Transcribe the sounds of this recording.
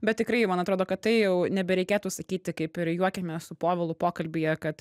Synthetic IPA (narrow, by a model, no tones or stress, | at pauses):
bʲɛt̪̚tʲɪkɾɐɪjmɐnɐt̪ɾoːd̪oːkɐtt̪ːɐɪjɛʊnʲɛbʲɛɾʲɛɪkʲeːt̪usɐkʲiːt̪ʲɪkɐɪpɪɾjuɔkʲɛt̪mʲɛsʊpoːʋʲɛlˠupoːkɐlʲbʲijɛkɐt̪